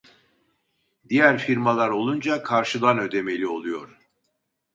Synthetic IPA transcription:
d̪ijæɾfiɾmalˠaɾo̞lˠund͡ʒakʰaɾʃɯd̪anø̞d̪e̞me̞lʲio̞lˠujo̞ɾ̥

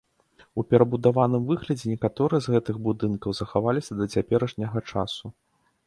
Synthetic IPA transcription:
upʲɛɾɐbud̪avanɨmvɨɣlʲɐd͡zʲɛnʲɛkat̪ɔɾɨjɛzɣɛt̪ɨɣbud̪ɨnkɐwzɐxavalʲisʲɐd̪ɐt͡sʲapʲɛɾɐʂnʲɐɣɐt͡ʂa̰su

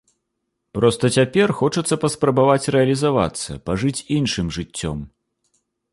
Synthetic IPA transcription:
pɾɔst̪ɐt͡sʲapʲɛrxɔt͡ʂɐt̪sːɐpɐspɾɐbavat͡sʲrɛɐlʲizava̰t̪sːɐ̰paʐɨt͡sʲinʂɨmʐɨt͡sʲːɔ̰m

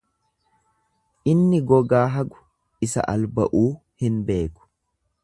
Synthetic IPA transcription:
ʔɪnːɪɡɔɡaːɦɐɡʊ̥ | ɪsɐ̰ʔɐlbɐ̰ʔuː | hɪnbe̞ːkʊ̥

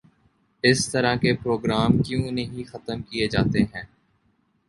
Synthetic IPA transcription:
ɪst̪ɐɾãkepɾoːɡɾaːmkjõːnɐɦĩxɐt̪əmkied͡ʒaːt̪eɦɛ̃ː

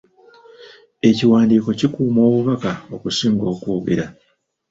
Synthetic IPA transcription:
e̞ciwaːndiːko̞cikuːmo̞ːβuβakao̞kusiːŋɡo̞ːkoːɡḛɾa

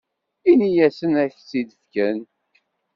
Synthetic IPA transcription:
inijæsənæçt͡sːid̪θkæn

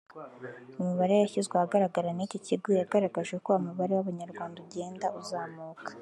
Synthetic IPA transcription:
umuβaɾe̞jaçizɡwehaɡaɾaɡaɾaniciciɡojaɡaɾaɡaʒɡekoamuβaɾe̞waβaɲaɾɡwaːndaɟe̞ːndauzaːmuːkḁ

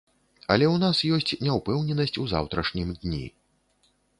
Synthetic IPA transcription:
ɐ̰lʲɛwn̪asjɔsʲt͡sʲnʲɛwpɛwnʲɛnɐsʲt͡sʲuza̰wt̪ɾɐʂnʲimd̪ʲnʲḭ

